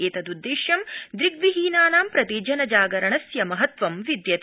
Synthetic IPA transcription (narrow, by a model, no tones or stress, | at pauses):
eːt̪ɐd̪ud̪ːeːʃjɐmd̪ɾiɡʋiɦiːnaːnaːmpɾɐt̪iːd͡ʒɐnɐd͡ʒaːɡɐɾɐɳɐsjɐmɐɦɐt̪ʋɐmʋid̪jɐt̪